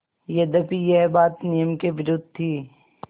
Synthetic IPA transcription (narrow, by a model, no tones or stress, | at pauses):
jed̪ɐpijeɦbaːt̪nijəmkeʋɪɾʊd̪̚t̪ʰiː